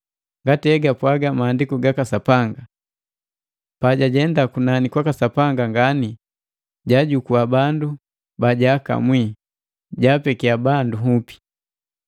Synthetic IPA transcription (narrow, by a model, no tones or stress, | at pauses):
ŋɡatiɛɡapwaɡamaːndikuɡakasapaŋɡa | paɟaɟɛndakunanikwakasapaŋɡaŋɡani | ɟaɟukuabandu | baɟaka̰mwi | ɟapɛkiabanduɦupi̥